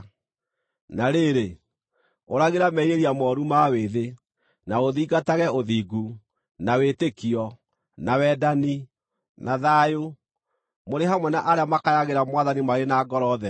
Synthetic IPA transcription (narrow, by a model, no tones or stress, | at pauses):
naɾeɾe | oɾaɣeɾamɛiɾeɾiamɔːɾumaweðe | naoðiːɡataɣɛoðiːɡu | nawetekiɔ | nawɛdani | naðajo | moɾeɦamwɛnaʔaɾeamakajaɣeɾamwaðanimaɣenaːɡɔɾɔðɛ